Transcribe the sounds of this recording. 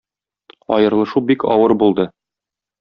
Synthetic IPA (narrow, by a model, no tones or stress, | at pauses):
ɒ̰jɤ̆ɾlˠɤ̆ʃubikɒ̰wɤɾbulˠd̪ɤ